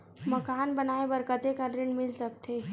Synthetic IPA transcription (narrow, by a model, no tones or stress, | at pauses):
məkaːnbənaebəɾkəd̪ekəʈɾeɳmɪlsək̚t̪ʰe